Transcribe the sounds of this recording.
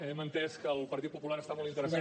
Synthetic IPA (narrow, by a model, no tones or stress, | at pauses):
emənt̪ɛskəːlˠpəɾt̪it̪̚pupulaɾəst̪amɔlˠint̪əɾəsa